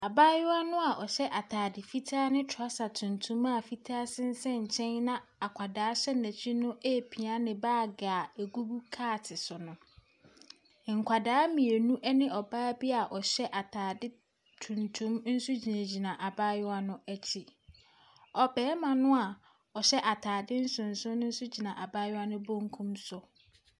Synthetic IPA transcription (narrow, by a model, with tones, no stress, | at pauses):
a˨baː˦jʊ˦a˦nʊ̃˦a˨ʔɔ˨ɕɛ˦ʔa˨tʰaː˨dɪ˨fi˦tʰaː˦nɪ̃˦tʰʊ˨a˦sa˨tʰũ˨ntʰũ˦ma˦˨fi˦tʰaː˦sɪ˦n̩˦sɛ̃˦ɲ̩˨t͡ɕʰɛ̃˦nnã˦a˨kʷʰa˨daː˨˦ɕɛ˦næ̃˨t͡ɕʰᶣi˦nʊ̃˦e˦˨pʰi˨a˦nɪ̃˨baː˦˨ɡaː˨æ˨ɡu˦bu˦kʰaː˦˨tʰɪ˨sʊ˨nʊ̃˦˨ | ŋ̩˨kʷʰa˨daː˨˦mĩ˨e˨nũ˦ʔɛ˦nɪ̃˦ʔɔ˨baː˦bi˦a˨ʔɔ˨ɕɛ˦ʔa˨tʰaː˨dɪ˦ | tʰũ˨ntʰũ˦mn̩˦sʊ˦d͡ʑi˨næ̃˨d͡ʑi˨nã˨ʔa˨ba˦jʊ˦a˦nʊ̃˦æ˦t͡ɕʰi˨ | ɔ˨bɛː˨˦mã˨nʊ̃˦a˨ | ɔ˨ɕɛ˦ʔa˨tʰaː˨dɪ˦n̩˦sʊ̃˨n̩˨sʊ̃˦nʊ̃˦n̩˦sʊ˦d͡ʑi˨nã˨ʔa˨ba˦jʊ˦a˦nʊ̃˦bõ˦ŋkʰũ˦msʊ˨